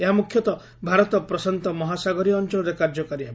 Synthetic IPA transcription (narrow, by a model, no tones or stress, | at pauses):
eɦamukʰjɔt̪ɔ | bʱaɾɔt̪ɔpɾɔsant̪ɔmɔɦasaɡɔɾiɔnt͡ʃɔɭɔɾekaɾd͡ʒɔkaɾiɦabi